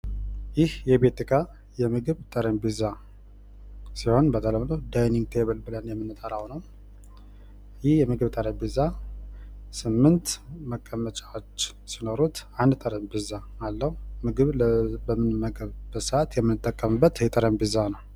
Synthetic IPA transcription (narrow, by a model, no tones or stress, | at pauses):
jɪhjɛbet̪ʰɨkʰa | jɛmɨɡɨβt̪ʼəɾəmbɨza | siho̞nbət̪ʰʼələmnəwd̪ajniŋɡ̚t̪ʰeβəlbɨlənjɛmːɨnːɨt̪ʼəɾawnəw | jɪhjɛmɨɡɨβt̪ʼəɾəmbɨza | sɨmːɨnt̪məkʼːəmːət͡ʃʼawot͡ʃː | sinoɾut̪and̪t̪ʼəɾəmbɨzaalːəhumɨɡɨβbəmːɨnɨmːəɡəβbəsəʔat̪jɛmːɨnːɨt̪ʼːəkʼːəmɨbːət̪ɛt̪ʼəɾəmbɨzanəw